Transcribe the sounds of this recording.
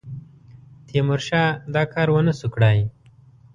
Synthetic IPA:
t̪ijemuɾʃad̪aːkaːɾwɐnəsukɽaj

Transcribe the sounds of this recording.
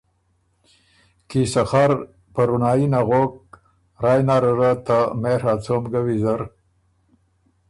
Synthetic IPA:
kisɐxaɾ | pɐɾunaːinaɣok̚ | ɾaːjnaɾɐɾat̪ameɾat͡somɡawizɐɾ

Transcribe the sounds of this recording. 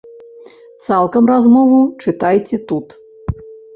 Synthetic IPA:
t̪salˠkɐmrazmɔvut͡ʂɨt̪ajt͡sʲɛt̪ut̪

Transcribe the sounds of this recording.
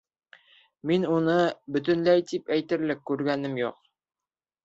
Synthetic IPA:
minunɤbɵ̆t̪̬ɵ̆nlæjt̪ipæjt̪ɘ̆ɾlɘkːʉɾɡænɘmjṵq

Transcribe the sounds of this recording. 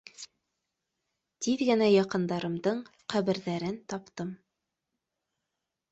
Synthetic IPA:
t̪iðɡɘ̆næjɑqɤ̆nd̪ɑɾɤ̆md̪ɤɴqæβɘ̆ɾðæɾɘnt̪ɑpt̪ɤm

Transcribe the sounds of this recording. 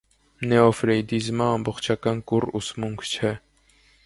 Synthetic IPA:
nɛɔfɾɛjd̪izmɑːmbɔχt͡ʃʰɑkɑnkurusmuŋkʰt͡ʃʰɛ

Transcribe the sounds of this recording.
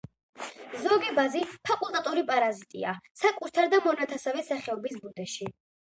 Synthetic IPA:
zɔɡɛbazipʰakʼulˠt̪ʼat̪ʼuɾipʼaɾazit̪ʼḭasakʼuɾt̪ʰaɾd̪amɔnat̪ʰasavɛsaχɛɔbisbud̪ɛʃi

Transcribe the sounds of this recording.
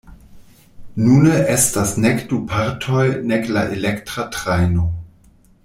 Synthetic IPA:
nunəʔestasnekdupʰaɾtʰojneklaʔelektɾatʁajno

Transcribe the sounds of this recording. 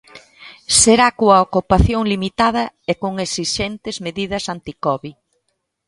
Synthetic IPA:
seɾakoɐokupaθjoŋlimit̪að̞ɐekoŋesiʃent̪ɪzmeðið̞ɐsant̪ikɔβi

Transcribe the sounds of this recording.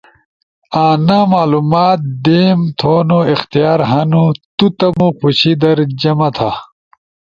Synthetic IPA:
aːnamaːlumaːt̪̚d̪eːmt̪ʰoːnoixt̪ijaːɾɦɐnut̪ut̪ɐmuxuɕid̪ɐɾd͡ʑɐmɐt̪ʰa

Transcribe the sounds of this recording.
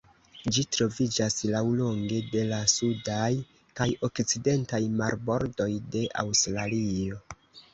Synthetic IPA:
d͡ʒitɾo̞vid͡ʒaslawlo̞ŋɡe̞de̞lasudaj | kajo̞kt͡side̞ntajmaɾbo̞ɾdo̞jde̞ʔa̰wstɾalio̞

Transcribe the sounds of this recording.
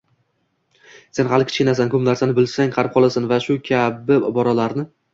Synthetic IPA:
se̞nhalˠɪkʲʰɪ̥t͡ʃkʲɪnas̬ankʰɵmlaɾsanɪbɪlsaŋqʰɑɾɪp̚qʰɒlˠasanvaʃʊkʲʰabɪbɒɾalaɾnɪ

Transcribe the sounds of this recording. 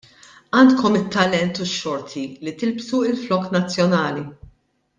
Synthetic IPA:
ɐːnt̪kɔmɪt̪ːɐlɛnt̪uʃːɔɾt̪ʰilit̪ɪlpsuɪlflɔknɐt͡sːjɔnɐːli

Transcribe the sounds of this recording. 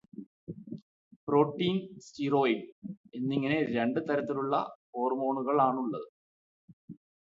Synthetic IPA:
pro̞ːʈːiːnstiroːikːenːiŋːɐne̞ɾe̞ɳɖɨt̪ɐɾɐt̪ːiluɭːɐ̰ho̞ːrmo̞ːɳuɣɐɭaːɳuɭːɐðɨ

